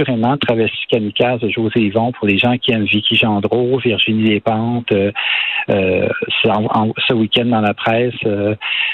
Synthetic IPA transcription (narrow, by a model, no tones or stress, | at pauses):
yʁemɑ̃t̪χavɛʁsi̥kʲanikʲazəʒozevɔ̃pʊʁleʒɑ̃kʲiɛmvikʰʲiʒɑ̃d̪ʁoviʁʒinilepɑ̃t̪ø | øsɑ̃ɑ̰̃səwikʲɛ̃nd̪ɑ̃lapχɛːsø